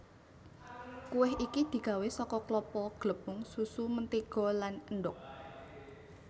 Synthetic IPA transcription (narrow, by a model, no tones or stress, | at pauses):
kuwɪɦʔikid̪̥i̤kawesɔkɔklɔpɔɡ̥ləb̥ʊŋsusumənt̪iɡ̥ɔ̤lanənɖʊk̚